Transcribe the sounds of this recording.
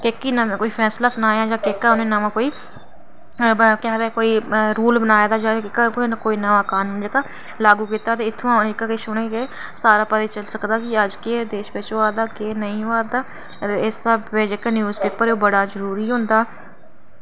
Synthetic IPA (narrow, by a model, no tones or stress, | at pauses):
kekːiːnãkoːiːpʰɛːslaːsʊnaːeãːd͡ʒãːkekːaːʊnẽːnaʋãːkoːiː | kɛːd̪ekoːiːɾuːlbənaːjed̪aːd͡ʒãːɪkːkːkoːiːnaʋãːkaːnuːnd͡ʒekaː | laːɡuːkiːt̪aːt̪eːɪt̪ʰːõnɪkaːkɪʃoːneːke | saːɾaːpət̪eːt͡ʃəlsəkd̪aːkɪəd͡ʒked̪eːʃʋɪt͡ʃoaːd̪aːkeːnəĩːaːd̪aː | ɪsaːʋed͡ʒekanjuːzpeːpəɾoːbəɽaːzəɾuːɾiːɦõːnd̪aː